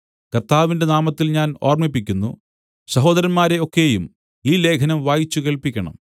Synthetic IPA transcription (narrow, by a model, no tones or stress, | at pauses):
kɐrt̪aːʋinde̞naːmɐt̪ːilɲaːno̞̰ːrmipːikʲːunːṵ | sɐɦo̞ːd̪ɐɾɐnmaːɾe̞o̞kːe̞jum | iːle̞ːkʰɐnɐmʋaːjit͡ɕːuke̞ːɭpikʲːɐɳɐ̰m